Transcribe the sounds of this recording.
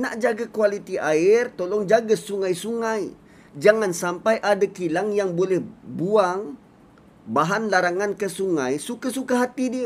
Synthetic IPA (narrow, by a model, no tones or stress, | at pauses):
naʔd͡ʒaɡakualit̪iʔaɪrt̪olɔŋd͡ʒaɡasuŋajsuŋaj | d͡ʒaŋansampajʔadakilaŋjaŋbolɛhbuaŋ | baɦanlaɾaŋankəsuŋajsukasukaɦat̪idiə